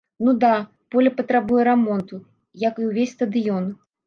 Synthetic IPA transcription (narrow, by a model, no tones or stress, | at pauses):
nud̪a | pɔlʲɐpɐt̪ɾabujɛɾamɔnt̪u | jɐkɨwvʲesʲst̪ɐd̪ɨjɔn